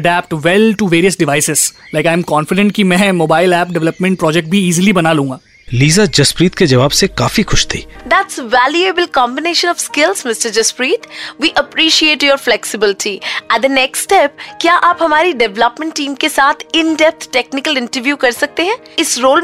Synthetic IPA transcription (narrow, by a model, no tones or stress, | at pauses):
əɖæːp̚ʈʋɛlʈuʋeːɾiəsɖɪʋaːɪsɪz̥laɪkãːɪ̃mkɔ̃ːnfɪɖɛ̃ɳʈkimɛ̃ːmoːbaːɪlæːp̚ɖɛʋɛləpmɛ̃ɳʈ̚pɾɔːd͡ʒɛk̚ʈ̚bʱiiːzilibɐnalũːŋɡaː | liːzad͡ʒɐspɾiːt̪̚ked͡ʒɐʋaːbsekaːfixʊʃt̪ʰi̥̰ːd̪æʈsʋæːljuebəlkɔ̃ːmbɪneːʃə̃nɔfskɪlzmɪsʈəɾd͡ʒɐspɾiːt̪ʰʋiːʔəpɾiːʃieːʈjoːɾflɛksɪbɪlɪʈʰiɛd̪ənɛksːʈɛp̚kjaːʔaːpɦɐmaːɾiɖɛʋləpmɛ̃ɳʈʈĩːmkesaːt̪ʰɪ̃nɖɛp̚t̪ʰʈeknɪkəlɪ̃ɳʈəɾʋjuːkɐɾsɐk̚t̪eɦɛ̃ːɪsɾoːl